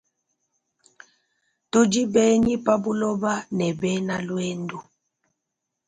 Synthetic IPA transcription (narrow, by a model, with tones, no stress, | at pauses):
to˦d͡ʒi˦bɛ˦ɲi˦pa˦bu˦lɔ˦ba˦nɛ˨bɛ˦na˦lwɛ˦ndu˨